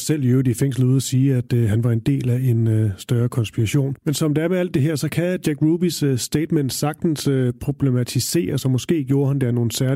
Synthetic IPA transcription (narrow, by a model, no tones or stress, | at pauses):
sel̰jøʊd̥ifeŋ̰sl̩uð̰ˠɐsiːæd̥ɦænʋɑ̈e̝nd̥e̝̰ːlæe̝nøsd̥ɶɐkʰɒ̽nsb̥iʁɑɕo̝̰ːnmensɒɒmd̥eæɐmeæl̰d̥ːe̝ɦɛɐ̰sɒ̽kʰæd̥jæɡ̥ʁuːb̥isːd̥eɪd̥mend̥sɑ̈ɡ̥d̥n̩søpʰʁob̥le̝mæt͡sʰise̝̰ːɐsɒ̽mɒ̽sɡ̥e̝̰ːɡ̥jo̝ːɐhænd̥eæɐno̝ːn̩sæɐ